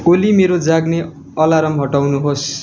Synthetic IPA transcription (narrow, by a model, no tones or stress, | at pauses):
olimeɾod͡zaɡne | ʌlaɾʌmɦʌʈawnuɦos